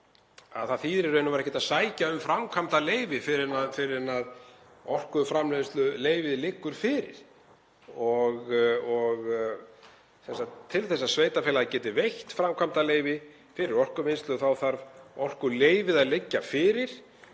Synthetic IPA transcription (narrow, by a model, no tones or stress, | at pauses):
a̰ðθaðθiðɾɪɾœːɥnʏvaɾɛhcːɪt̪asaːjcaʏmfɾamkʰam̥t̪aleːjvɪfɪɾɪnafɪɾɪnað | ɔr̥kʏfɾamlɛðɪst̪lʏleːjvɪðlɪːkːʏɾ̥fɪːɾɪ̰ɾ̥ | ɔɣɔɣ | sɛnsat̪t̪ʰːɪlθɛsːasveːjt̪afɛlaðacɛːt̪ɪvejht̪fɾamkʰvam̥t̪aleːjvɪ | fɪɾɪɾɔr̥kʏmɪnst̪lʏθawθaɾvɔr̥kʏɾleːjvɪðaðlɪcːafɪːɾɪɾ̥